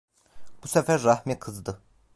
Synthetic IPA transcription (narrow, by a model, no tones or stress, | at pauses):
b̥usæfæɾːɑhmikʰɯzd̪ɯ